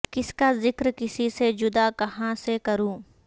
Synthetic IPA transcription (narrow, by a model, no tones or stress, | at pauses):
kɪskazɪkɾkɪsised͡ʒʊd̪akɐɦãsekɐɾũː